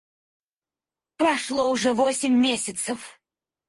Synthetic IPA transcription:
pɾɐʂlˠoʊʐɛvosʲɪmʲːesʲɪt̪səf

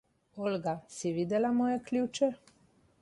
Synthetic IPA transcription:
olʲɡasiʋid̪elamojeklʲuːt͡ʃɛ

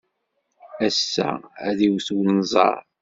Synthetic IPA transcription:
æsːæ̰æðiwθuwnnzˤɑ̰ɾˤ

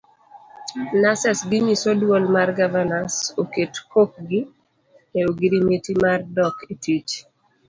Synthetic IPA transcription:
nasɛsɡimisodwolmarɡavanasoketkok̚ɡi | eoɡiɾimetimardɔketʰit͡ʃ

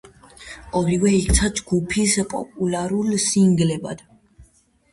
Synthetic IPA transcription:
ɔɾivɛik̚t̪sʰad͡ʒɡupʰispʼɔ̰pʼulaɾulsiŋɡlɛba̰d̪̥

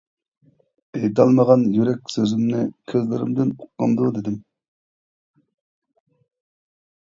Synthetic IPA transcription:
ejd̪ɑlˠməʁɑnjyɾɛk̚ʲsøzymnɪkʲʰezlɪɾɪ̰md̪ɪnuqːɑ̰md̪ud̪ɪd̪ɪm

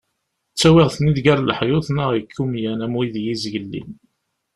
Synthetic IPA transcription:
t͡sːæwɪʁθniðɡæɾlħjʊθnəʁəkʰːumjænæmwiðjizʝəlːḭn

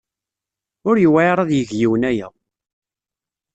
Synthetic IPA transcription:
ʊɾjwaɾˤɑðjəʝjiwənæjæ̰

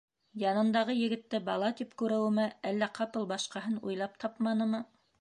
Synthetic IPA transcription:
jɑnɤ̆nd̪ɑʁɤjɘ̆ɡɘ̆t̪ːɘbɑlˠɑt̪ipkʉɾɘ̆wɘ̆mɘælːæqʰɑpɤlˠbɑʃqɑɦɤnṵjlˠɑp̚t̪ʰɑpmɑnɤ̆mɤ

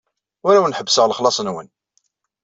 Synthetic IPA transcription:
ʊɾawnħəbːsəʁləχlɑsˤənwə̰n

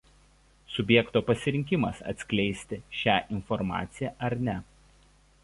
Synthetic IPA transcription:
sʊbʲjɛkt̪oːpɐsʲɪɾʲɪŋʲkʲɪmɐsɐ̰t̪ʲsʲkʲlʲɛɪsʲt̪ʲɪʃʲæːʔɪnfɔɾmɑ̰ːt̪sʲɪjæʔɐɾnʲɛ

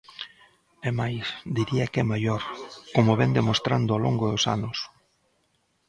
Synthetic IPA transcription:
emajsd̪iɾiɐkɛmajoɾkomoβɛnd̪emost̪ɾand̪ʊaloŋɡoðosa̰nʊs

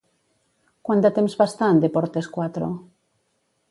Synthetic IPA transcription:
kwand̪at̪emzβast̪and̪epoɾt̪eskwat̪ɾo̰

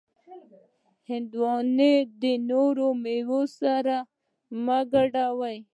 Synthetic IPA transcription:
hɪnd̪wɔned̪ənoɾomewosaɾa | maɡaɖawaj

